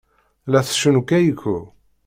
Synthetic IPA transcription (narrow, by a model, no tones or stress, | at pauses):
læθʃənukæjəkːu